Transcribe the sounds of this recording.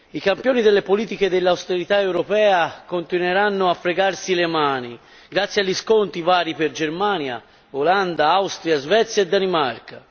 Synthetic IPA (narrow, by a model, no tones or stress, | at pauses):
ikampjoːnid̪elːepoliːt̪ik̟ed̪elːawst̪eɾit̪aewɾopɛːakont̪inweɾanːoafːɾeɡarsilemaːni | ɡɾat̪sːjaʎːiskont̪ivaːɾiperd͡ʒermaːnja̰ | oland̪aawst̪ɾjazvɛt̪sːjaed̪ːanimarka